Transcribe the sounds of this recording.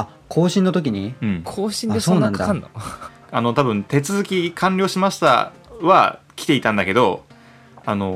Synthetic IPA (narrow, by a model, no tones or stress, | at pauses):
a | kʰo̞ːɕĩnːo̞t̪o̞k̬ʲiɲ̟iɯ̟̃ɴkʰoːɕĩndeso̞ːnãnd̪a̰ | ano̞t̪abɯ̟̃nt̪e̞t͡sɨzɨkʲikʰãɲɾʲo̞ːɕimaɕi̥t̪a̰ | βa̰kʲi̥t̪e̞it̪ãnd̪ake̞d̪o̞ | ano̞